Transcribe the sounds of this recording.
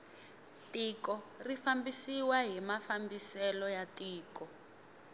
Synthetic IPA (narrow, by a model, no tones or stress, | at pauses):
tikɔrifambisiwaɦimafambisɛlɔjatiːkɔ